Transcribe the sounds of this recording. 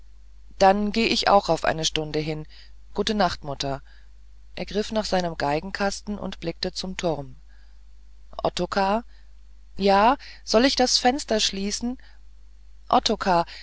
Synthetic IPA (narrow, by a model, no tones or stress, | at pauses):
d̥anɡeːəʔɪçʔa̰ʊxaʊfʔa̰ɪnəʃtʊndəɦɪn | ɡ̥uːtənaχtmʊtɐ | ʔeːɐɡʁɪfnaːχz̥aɪnəmɡaɪɡŋ̩kʰastn̩ʔʊ̰ntb̥lɪk̚tət͡sʊmtʰʊʁm | ʔɔ̰tokʰaː | jaːz̥ɔlɪçd̥asfɛnstɐʃliːsn̩ | ʔɔtʰokʰaː